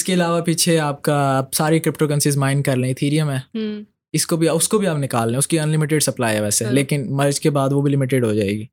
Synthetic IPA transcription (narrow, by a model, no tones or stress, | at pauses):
ɪskeɪlaːʋapiːt͡ʃʰeaːp̚kapsaːɾikɾɪpʈokɐ̃nsizmãːɪ̃ɳɖ̚kɐɾlẽɪt̪ʰiːɾijəmɦɛː | ɪskobʱiaʊskobʱiaːpnɪkaːlːẽʊskiɐnlɪmɪʈ̬eɖsɐplaːiɦɛʋɛːseleːkɪnmɐɾd͡ʒkebaːd̪ʋobʱilɪmɪʈ̬eɖɦod͡ʒaːḛːɡiː